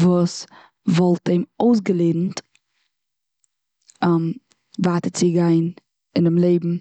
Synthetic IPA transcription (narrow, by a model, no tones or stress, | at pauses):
vuːs | vɔlˠtemoʊs̬ɡəlˠeːdn̩t | m | vaːtət͡sɪɡaɪn | ɪnɪmlˠeɪbm̩